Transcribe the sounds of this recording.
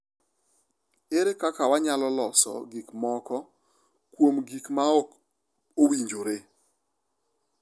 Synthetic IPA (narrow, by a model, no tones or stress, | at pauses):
eɾekakawaɲalɔlɔsɔ̰ɡikmɔkɔ | kwomɡikmaɔk | owiɲd͡ʒoɾe